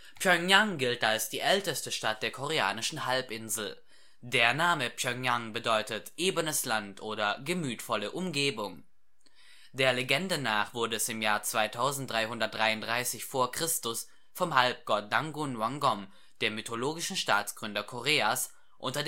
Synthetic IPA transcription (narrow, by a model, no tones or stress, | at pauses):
pʰjœŋjaŋɡɪltalsd̥iːʔɛltəstəʃtat̚d̥eːɐkʰoʁ̞ea̰ːnɪʃn̩halpʔɪnzl̩ | deːɐnaːməpjœŋjaŋbədɔʏtətʔeːbənəslantʔoːɾɐɡəmyːtfɔləʔʊmɡeːbʊŋ | d̥eːɐleɡɛndənaːχv̥ʊɐdəɛsɪmjaːɐt͡sv̥aɪtʰaʊzn̩td̥ʁaɪhʊndɐt̚d̥ʁaɪʊnd̥ʁaɪsɪçfoːɐkʁ̥ɪstʊs | fɔmhalp̚ɡ̥ɔt̚d̥aŋɡunwaŋɡɔm | d̥eːɐmytʰoloːɡɪʃn̩ʃtaːt͡sɡ̥ʁʏndɐkʰoʁeːas | ʔʊntɐd